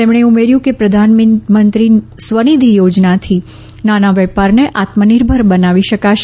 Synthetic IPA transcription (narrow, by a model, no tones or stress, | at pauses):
t̪emɳeumeɾjũkepɾəd̪ʱanmmənt̪ɾisʋənid̪ʱijod͡ʒnat̪ʰi | nanaʋɛpaɾneʔat̪məniɾbʱəɾbənaʋiʃəkaʃ